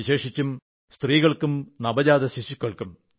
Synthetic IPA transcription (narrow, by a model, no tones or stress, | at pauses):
iɕe̞ːʂit͡ɕːum | st̪riːɣɐɭkumnɐbɐd͡ʑaːd̪ɐɕiɕukːɐɭkum